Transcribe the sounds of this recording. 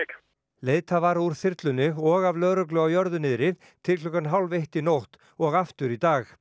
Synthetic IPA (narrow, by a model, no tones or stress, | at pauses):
leːjt̪ʰavaɾuɾ̥θɪɾt̪lʏnːɪɣɔɣavlœːðɾʏklʏawjœɾðʏnɪðɾɪð | t̪ʰɪlklʏkanɦawlveht̪inowht̪ | ɔɣaft̪ʏɾit̪aːx